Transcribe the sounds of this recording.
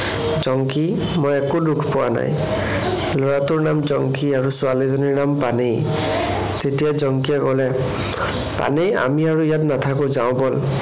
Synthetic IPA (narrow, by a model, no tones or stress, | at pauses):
zɔŋki | mojɛkudukʰpʊwa̰na̰j | lɔɹatʊɹnamzɔŋkiaɹusʊalizoniɹnampanej | tetijazɔŋkijɛkɔlɛ | pa̰neja̰miaɹuijatnatʰakʊ̃zaʊ̃bɔl